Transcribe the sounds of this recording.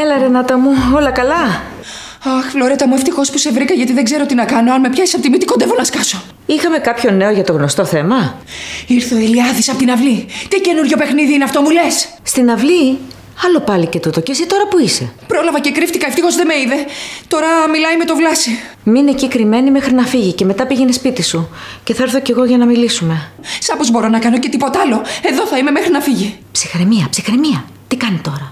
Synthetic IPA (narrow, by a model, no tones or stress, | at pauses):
elɐɾe̞nɐt̪ɐmuo̞lɐkɐlɐ | ɐxflo̞ɾet̪ɐmue̞ft̪ixo̞spusevɾikɐʝɐt̪iðeɡze̞ɾo̞t̪inɐkɐnoɐnomepçɐisɐt̪imit̪ikod̪e̞vo̞nɐskɐso̞ | ixɐme̞kɐpço̞ne̞o̞ʝɐt̪o̞ɣno̞st̪o̞θe̞mɐ | iɾθoeliɐðisɐpot̪inɐvlit̪ice̞nuɾʝo̞pe̞xniðiineɐft̪o̞mule̞sst̪inɐvli | ɐlo̞pɐlice̞t̪ut̪o̞cesit̪o̞ɾɐpuise̞̰pɾo̞lɐvɐce̞kɾift̪ikɐeft̪ixo̞zðeme̞iðe̞t̪o̞ɾɐmilɐjme̞t̪o̞vlɐsi | minecikɾime̞nime̞xɾinɐfiʝice̞me̞t̪ɐpiʝe̞ne̞spit̪isu | ce̞θɐeɾθo̞ce̞ɣo̞ʝɐnɐmilisume̞ | sɐpozbo̞ɾo̞nɐkɐno̞ce̞t̪ipo̞t̪ɐlo̞e̞ðo̞θɐime̞mexɾinɐfiʝipsixɾemiɐpsixɾemiɐ | t̪ikɐnit̪o̞ɾɐ